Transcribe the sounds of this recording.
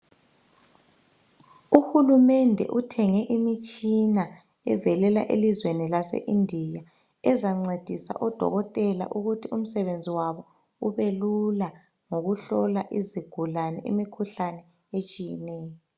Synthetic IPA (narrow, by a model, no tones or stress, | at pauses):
uxulumɛndʱɛ̰ʔutʰɛŋɛʔimit͡ʃʼina | ɛ̰vɛlɛla̰ʔelizwenilasḛʔindʱija | ɛzaŋ͡ǀed̥ʱisa̰ʔɔd̥ʱɔ̰ɣɔtʼɛla̰ʔuɣutʰium̩sɛβend͡zʱiwaβɔ | uβelula | ŋoɣuɬɔlaʔiziɡ̥ʱulanɛ̰ḭmikʰuɬanɛ | et͡ʃʼijɛnɛːjɔ